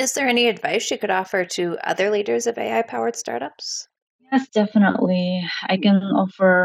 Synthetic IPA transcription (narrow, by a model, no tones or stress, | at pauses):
ɨzðə˞ɛniɨdva̰ɪsʃikɨɾɔfə˞ɾɨʌ̰ðə˞liɾə˞zʌvḛɪaɪpʰaʊə˞d̥stɑ̰ɹɾʌps | jɛsd̥ɛfənə̰ʔˡliaɪkɨ̃nɔfə˞